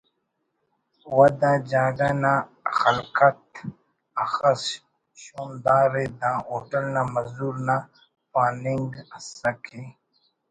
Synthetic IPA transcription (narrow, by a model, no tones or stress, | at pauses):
wɐd̪ãd͡ʑaːɖanaxɐlkɐt̪̚ | ɐxɐs | ɕoːmd̪aːɾed̪ãːoːʈɐlnamɐzuːɾna | paːniŋɡsɐkʰe